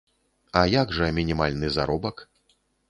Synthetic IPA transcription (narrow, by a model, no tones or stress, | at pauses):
ɐjaɡʐɐmʲinʲimalʲnɨza̰ɾɔbɐk